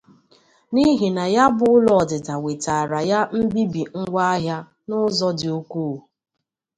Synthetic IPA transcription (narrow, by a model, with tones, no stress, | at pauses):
ni˦ɦi˨na˨ja˦bʊ˦ʊ˦lɔ˨ɔ˨dɪ˨ta˨we˨ta˨ɾa˨ja˦m̩˦bi˦bi˨ŋ̩˦ɡʷa˦a˦ɦja˦ | nʊ˦zɔ˦dɪ˨o˦kuː˦˨